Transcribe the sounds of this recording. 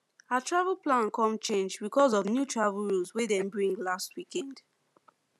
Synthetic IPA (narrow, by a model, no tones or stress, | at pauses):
atʰɹavəlplãnkɔ̃mt͡ʃẽnd͡ʒbikɔzɔvnjutʰɹavəlɹulˠzwedɛ̃nbɹĩŋɡlast̚wikɛ̃nd̥